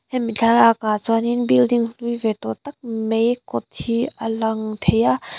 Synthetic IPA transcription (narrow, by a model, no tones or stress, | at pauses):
hɛnmit͡ɬʰalakat͡swaninbildiŋɬujvɛt̪ɔt̪ɐk̚mejkɔt̪ʰhiəlaŋt̪ʰeja